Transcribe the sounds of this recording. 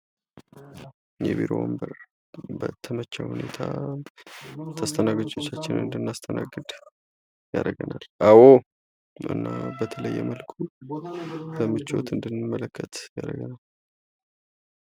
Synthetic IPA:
jɛ̰βiɾo̞̰wo̰mbəɾ | bət̪ʰəmət͡ʃːahune̞t̪ʰa | t̪ʰast̪ʰənaɡəd͡ʒʼo̞t͡ʃːat͡ʃːɪnɨnd̪ɨnːast̪ʰənaɡɨd̪ | ja̰ɾəɡənalʔawo | ɨ̰nːabət̪ʰələjːɛ̰məlkʰu | bəmɨt͡ʃːo̞̰t̪ɨnd̪ɨnːmːələkʰːət̪jaɾəɡənal

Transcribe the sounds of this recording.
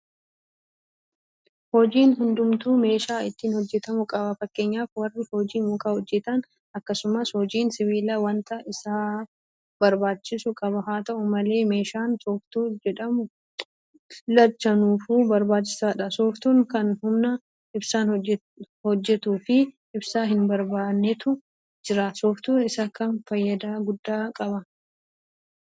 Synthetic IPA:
hɔd͡ʒiːnɦʊnd̪ʊmt̪uːme̞ːʃaːɪt̪ːiːnhɔd͡ʒːɛt̪ɐmʊkʼɐbɐfɐkːe̞ːɲːaːfwɐrːɪhɔd͡ʒiːmʊkʼaːhɔd͡ʒːɛt̪ɐn | ɐkːɐsʊmɐshɔd͡ʒiːnsɪβiːlɐwɐnt̪ɐʔɪsaː | bɐɾbaːt͡ʃːɪsʊkʼɐbɐɦaːt̪ɐʔʊmɐle̞ːme̞ːʃaːnsoːft̪uːd͡ʒɛᶑɐmʊ | lɐt͡ʃːɐnuːfuːbɐɾbaːt͡ʃːɪ̥saːᶑɐsoːft̪uːŋkɐnhʊmnɐ | ʔɪbsaːn | hɔd͡ʒːɛt̪uːfɪ | ɪbsaːɦɪnbɐɾbaːnːɛt̪ʊ | d͡ʒɪɾasɔːft̪uːnɪsɐkɐnfɐjːɐd̪aːɡʊd̪ːaːkʼɐbɐ

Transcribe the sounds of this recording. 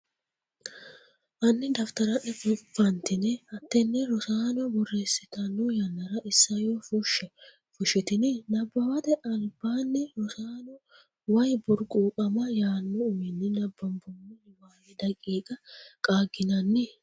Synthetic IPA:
ʔɐnːɪd̪ɐft̪ɐɾɐʔɛfʊfːɐnt̪ɪnɪhɐt̪ːɛnːɛɾɔsaːnɔbɔre̞ːsɪt̪ɐnːʊjɐnːɐɾɐʔɪsːɐjofʊʃɛ | fʊʃːɪt̪ɪnɪnɐbːɐwɐt̪ɛʔɐlbaːnːɛɾɔsaːnɔ | wɐjbʊɾkʼuːkʼɐmɐjaːnːʊʊmɪnːɪnɐbːɐmbʊmːɪ | waːwɪd̪ɐkʼːiːkʼɐkʼaːɡɪnɐnːɪ

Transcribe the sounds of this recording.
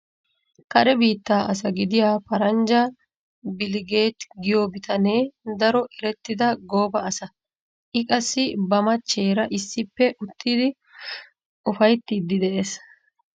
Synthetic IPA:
kɐɾɛbiːt̪ːaːʔɐs̬ɐɡɪd̪ɪjaːpɐɾɐnd͡ʒɐ | bɪlɪɡe̞ːt̪ɡɪjoːbɪt̪ʰɐneːd̪ɐɾɔʔɪɾɛt̪ːɪd̪ɐɡoːbɐːsɐ | ʔɪkʼɐsːɪbɐmɐt͡ʃːe̞ːɾɐʔɪsːɪpːɛʔʊt̪ːid̪ɪ | ʊfɐjt̪ːid̪ːɪd̪ɛʔeːs

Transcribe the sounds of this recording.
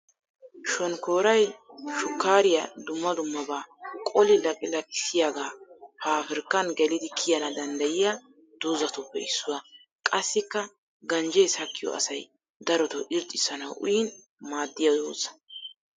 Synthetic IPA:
ʃɔnko̞ːɾɐjʃʊkːaːɾɪjɐd̪ʊmːɐd̪ʊmːɐbaːkʼɔlɪlɐkʼɪlɐkʼɪsɪjaːɡaːpaːfɪɾkːɐnɡɛlɪd̪ɪkʰɪjɐnɐd̪ɐnd̪ɐjɪjɐ | d̪̥ʊzɐt̪ɔpːɛɪsːʊwɐ | kʼɐsːɪkːɐ | ɡɐnd͡ʒejshɐkʰːɪjɔ̰ɐ̰sɐj | d̪ɐɾɔt̪ɔʔɪɾt̪ʼːɪsːɐnɐwʔʊ̰jin | maːd̪ːɪjɐo̰ːsɐ̥

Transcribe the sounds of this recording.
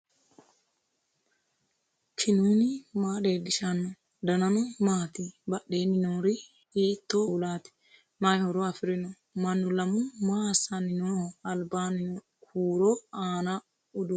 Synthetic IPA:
kʰɪnuːnɪmaːɗeːdɪʃanːɔ | d̪ɐnɐnɔmaːt̪ibɐɗeːnɪnoɾi | iːt̪ːolaːt̪ɪ̥ | majhɔɾɔɐfɪɾɪnɔ | mɐnːʊlɐmʊmaːsanɪnoɐlbaːnɪnɔ | kʰuːɾɔaːna | ʊdu

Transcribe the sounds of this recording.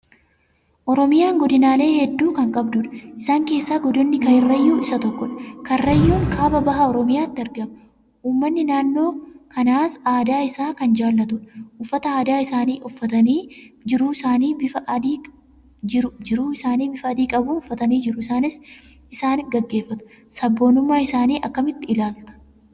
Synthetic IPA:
ʔɔɾɔmɪjaːŋɡɔd̪ɪnaːle̞ːhɛd̪ːuːkɐŋkʼɐbd̪ʊᶑɐ̥ʔɪsaːŋke̞ːsːaːɡɔd̪ʊnːɪkɐɪrːɐjːuːɪsɐt̪ɔkːɔᶑkɐɪrːɐjːuːŋkʰaːbɐbɐɦɐɔɾɔmɪjaːt̪ːɪɐɾɡɐm | uːmːɐnːɪnaːnːo̞ːkɐnaːsaːd̪aːɪsaːkɐnd͡ʒaːlːɐt̪ʊᶑʔʊfːɐt̪ɐaːd̪aːɪsaːniːʔʊfːɐt̪ɐniːd͡ʒɪɾuːɪsaːniːbɪfɐd̪iː | d͡ʒɪɾʊd͡ʒɪɾuːɪsaːniːbɪfɐːd̪iːkʼɐbuːʊfːɐt̪ɐniːd͡ʒɪɾʊɪsaːnɪs | ɪsaːnɡɐɡːe̞ːfːɐt̪ʊ̥ | sɐbːo̞ːnʊmːaːɪsaːniːʔɐkːɐmɪt̪ːɪɪlaːlt̪ɐ̥

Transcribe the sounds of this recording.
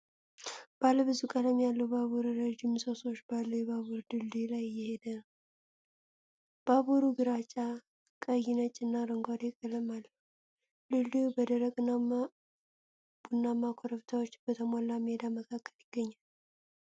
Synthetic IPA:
b̥alːəbɨzukʼələmjalːəhubaβuɾuɾɛd͡ʒɪmsoso̞t͡ʃːbalːəjɛbaβuɾd̪ɨldilajjɛhed̪ən | b̥aβuɾuɡɨɾat͡ʃʼa | kʼəjɪnət͡ʃʼːɨnːaɾəŋɡʷad̪ekʼələmalːəhu | lɨlːibəd̪əɾəkʼɨnama | b̥unːamakʰoɾəβt̪ʰawot͡ʃːbət̪ʰəmalːamed̪aməkʰakʰːəljɪɡːəɲːal

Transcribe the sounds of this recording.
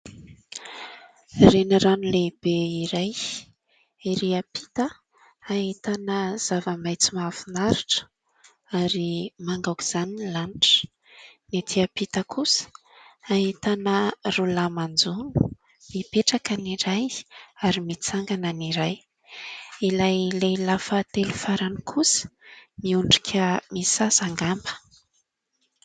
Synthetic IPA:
renaranuleb̥eiɾaj | iɾiapi̥t̪ə | aɦit̪anəz̥avəmajt͡simafinaɾiʈ͡ʂə̥ | aɾimaŋɡawki̥z̥anilanʈ͡ʂə̥ | net̪ʰiapit̪əkʰusə̥ | aɦit̪anərulamand͡zunu̥ | mipeʈ͡ʂakaniɾajaɾimit͡saŋɡananiɾaj | ilajlajlafət̪elufaɾanikʰusə̥miuɳɖ͡ʐikʰʲəmisasaŋɡambə̥

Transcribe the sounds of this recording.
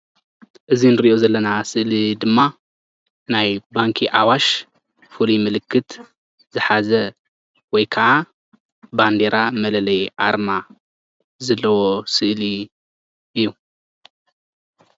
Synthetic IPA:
ʔɨzinɨɾiʔozɐlːɐnasɨʔlid̪ɨmːa | najbaŋkʰiʔawaʃ | fulumɨlɨkːɨt̪ | zɨħazɐ | wɔjkʰɐʔa | band̪eɾamɐlɐlɐjʔaɾma | zɐlːɐwo̞sɨʔli | ɨjːu

